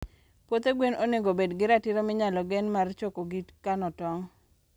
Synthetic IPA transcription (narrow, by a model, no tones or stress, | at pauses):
pwot̪eɡwenoneɡobedɡɪɾatɪɾomɪɲalɔɡɛnmart͡ʃokoɡitkanɔtɔŋ